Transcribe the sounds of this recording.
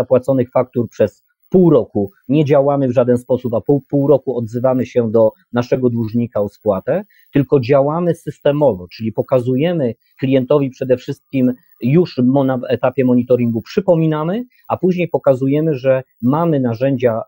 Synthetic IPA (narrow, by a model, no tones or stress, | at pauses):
apwat̪sɔnɘxfak̚t̪uɾpʂɛs | puwɾɔku | ɲɛd͡ʑawamɘvʐad̪ɛnspɔsupapupuwɾɔkuɔd̪zɘvamɘɕɛd̪ɔ | naʂɛɡɔd̪wuʐɲikaɔspwat̪ɛ | t̪ɘlkɔd͡ʑawamɘsɘst̪ɛmɔvɔt͡ʂɘlʲipɔkazujɛmɘ | klʲijɛnt̪ɔvʲipʂɛd̪ɛfʂɘst̪̚kʲim | juʂnaɛt̪apʲjɛmɔɲit̪ɔɾʲiŋɡupʂɘpɔmʲinamɘ | apuʑɲejpɔkazujɛmɘʐɛ | mamɘnaʐɛɲd͡ʑa